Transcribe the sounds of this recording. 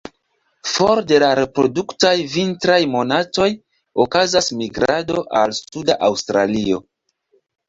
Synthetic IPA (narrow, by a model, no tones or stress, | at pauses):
fo̞ɾde̞laɾe̞pɾo̰duktajvintɾajmo̞nato̞j | okazasmiɡɾado̞ʔalsudaʔawstɾa̰lio̞̰